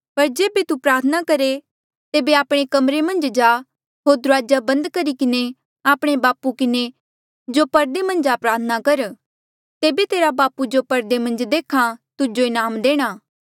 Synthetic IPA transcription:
pɐɾd͡ʒeːbet̪upɾaːɾt̪ʰənakɐɾe | t̪eːbeaːpɽ̃ekɐmɾemɐ̃nd͡ʒd͡ʒaː | ɦoːɾd̪ʊɾaːd͡ʒabɐ̃nd̪kɐɾikɪne | aːpɽ̃ebaːpukɪne | d͡ʒopɐɾd̪emɐ̃nd͡ʒapɾaːɾt̪ʰənakɐɾ | t̪eːbet̪eːɾabaːpud͡ʒopɐɾd̪emɐ̃nd͡ʒd̪eːkʰãt̪ʊd͡ʒoɪnaːmd̪eːɽ̃aː

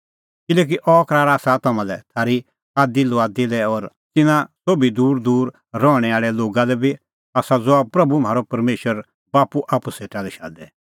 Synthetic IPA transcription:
kɪlɛːk̬iʔɔkɾaːɾaːsat̪ɐmãlɛt̪ʰaːɾi | aːd̪iloaːd̪ilɛɔɾ | tɪnãsoːbid̪uːɾd̪uːɾː | ɔɽ̃ɛaːɭɛloːɡalɛbʱi | aːsad͡zoapɾɐbumɦaːɾopɐɾmeːʃəɾ | baːpuʔaːpuseːʈalɛʃa̰ːd̪ɛ

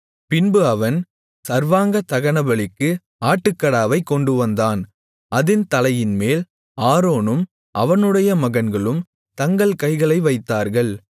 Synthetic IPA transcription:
pɪnbɯɐʋɐn | sɐɾʋaːŋɡɐt̪ɐɣɐnɐbɐɭɪkːɯ | aːʈːɯkːɐɽaːʋɐɪkːɔɳɖɯʋɐnd̪aːn | ɐðɪnt̪ɐlɐjɪnmeːl | aːɾoːnɯm | ʔɐʋɐnɯɽɐjɐmɐɣɐnɡɐɭɯm | t̪ɐŋɡɐɭkɐɪɣɐɭɐɪʋɐɪt̪ːaːɾɣɐɭ

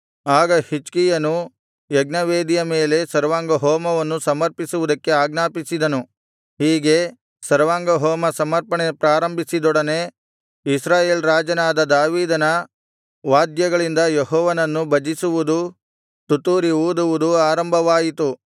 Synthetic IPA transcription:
aːɡɐhit͡ʃkijɐnu | jeɡnɐʋeːd̪ijɐme̞ːle̞sɐɾʋaːŋɡɐɦɔːmɐʋɐnːusɐmɐɾpisuʋud̪ɐkːeaːɡnaːpisid̪ɐnu | hiːɡe̞ | sɐɾʋaːŋɡɐɦɔːmɐsɐmɐɾpɐɳepɾaːɾɐmbʱisid̪ɔɽɐne | isɾaːje̞ːlɾaːd͡ʒɐnaːd̪ɐd̪aːʋiːd̪ɐnɐ | ʋaːd̪jɐɡɐɭind̪ɐjeɦɔːʋɐnɐnːubʱɐd͡ʒisuʋud̪u | t̪ut̪uːɾiuːd̪uʋud̪uaːɾɐmbʱɐʋaːjit̪u

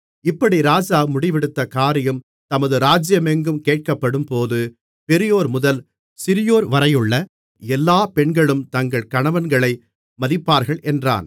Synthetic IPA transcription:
ɪpːɐɽiɾaːd͡ʒaːmʊɽɪʋɪɽɯt̪ːɐkaːɾɪjɐm | t̪ɐmɐðɯɾaːd͡ʒɪjɐmɛŋɡɯmkeːʈ̚kɐpːɐɽɯmpoːðɯ | pɛɾɪjoːɾmʊðɐl | sɪɾɪjoːɾʋɐɾɐjɯɭːɐ | ɛlːaːpɛɳɡɐɭɯmt̪ɐŋɡɐɭkɐɳɐʋɐnɡɐɭɐɪ | mɐðɪpːaːɾɣɐɭʔɛndra̰ːn

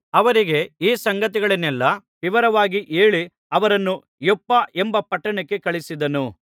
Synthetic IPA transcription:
ɐʋɐɾiɡe̞iːsɐŋɡɐt̪iɡɐɭɐnːɛlːɐ | ʋiʋɐɾɐʋaːɡiʔeːɭi | ɐʋɐɾɐnːu | jɔpːɐʔembɐpɐʈːɐɳɐkːe̞kɐɭisid̪ɐnu

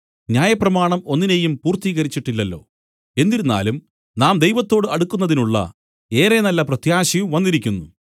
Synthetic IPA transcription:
ɲaːjɐprɐmaːɳɐmo̞nːine̞jumpuːrt̪iːɣɐɾit͡ɕːiʈːilːɐlːo̞̰ː | e̞nd̪iɾunːa̰ːlum | naːmd̪e̞jʋɐt̪ːo̞ːɽɨɐɽukːunːɐðinuɭːɐ̰ | e̞ːɾe̞nɐlːɐprɐt̪jaːɕijumʋɐnːiɾikʲːunːu

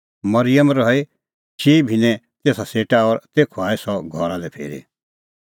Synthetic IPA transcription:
mɐɾɪjəmɾɔe | t͡ʃʰiːbʱinɛ̃ | t̪eːsaseːʈaɔːɾt̪eːkʰuaːesɔɡʱɔɾãlɛpʰḛːɾḭ

